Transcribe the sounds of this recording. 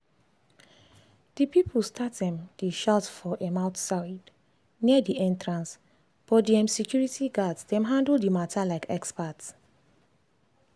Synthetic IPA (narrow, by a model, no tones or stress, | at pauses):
d̥ipipʰl̩stʰat̚dɛ̃mdiʃatfɔʔɛmãʊtsaɪd | niədiɛ̃ntɹãns | b̥ɔdiɛ̃msɛkjuɹitiɡadsdɛ̃mɦãndl̩dimatʰalaɪkʰɛkspats